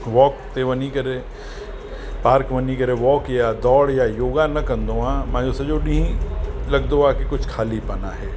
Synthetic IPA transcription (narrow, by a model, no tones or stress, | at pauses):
ʋɔːkt̪eʋɐnikɐɾe | paːɾkʋɐnikɐɾeʋɔːkjad̪ɔːɽjajoːɡanɐkɐ̃nd̪oãmɛ̃ːd͡ʒosɐd͡ʒoːɖĩĩlɐɡ̚d̪oakikʊt͡ʃʰkʰaːlipɐnaɦɛː